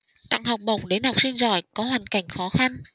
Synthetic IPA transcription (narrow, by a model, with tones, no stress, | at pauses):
t̪a̰ː˧˨ŋɦa˨˩wk͡p̚ɓə˨˩wk͡p̚ɗe˨˦nha˨˩wk͡p̚si˧nzɔ̰˧˩jkɔ˨˦ɦwaː˨˩nka˧˩jŋ̟xɔ˨˦xa˧n